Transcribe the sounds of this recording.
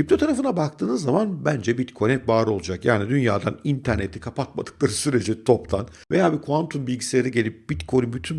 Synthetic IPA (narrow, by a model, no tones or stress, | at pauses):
ip̚t̪ʰo̞t̪ʰaɾafɯnabak̚t̪ʰɯːnɯzːamanbænd͡ʒɛbit̪kʰonɛp̚baːɾɯo̞lˠud͡ʒakja̰ːnid̪ynjaːd̪a̰nint̪ʰæɾnet̪ʰi̥kʰapʰat̪̚ma̰d̪ɯklˠaɾɯsyɾe̞d͡ʒɛt̪ʰopt̪ʰa̰n | ve̞jaːbikʰuant̪ʰumbilʲɟisʲelʲeɾiɟelʲip̚b̥it̪kʰo̞nimbyt̪ʰyn